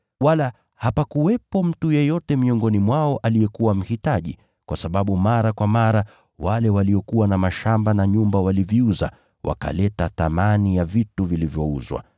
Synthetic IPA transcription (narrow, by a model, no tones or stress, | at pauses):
wala | hapakuwɛpɔm̩tujɛjɔtɛmiɔŋɡɔnimwaɔʔalijɛkuwam̩hitaʄi | kwʔasaɓaɓumaɾakwamaɾa | walɛwaliɔkuwanamaʃambanaɲumbawaliviuza̰ | wʔa̰ka̰lɛtaθamanijavituvilivjɔuzwa̰